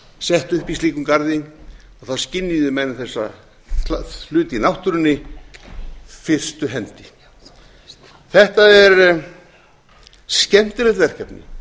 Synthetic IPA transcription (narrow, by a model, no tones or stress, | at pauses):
sɛht̪ʏhpist̪iːkʏmkaɾðɪ | aθascɪnːiðʏmɛnɪθɛsːa̰ | alʏːt̪inawht̪ʏɾʏnːɪ | fɪr̥st̪ʏɦɛnt̪ɪ̥ | θɛht̪aɛɾ | scɛm̥t̪ɪlɪt̪vɛr̥cʰɛpnɪ̰